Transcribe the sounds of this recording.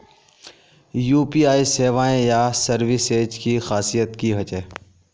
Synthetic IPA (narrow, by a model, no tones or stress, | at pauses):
juːpiːaːiːseːʋãːẽjaːsəɾʋɪseːd͡ʒkiːxaːsijət̪kiːɦət͡ʃeː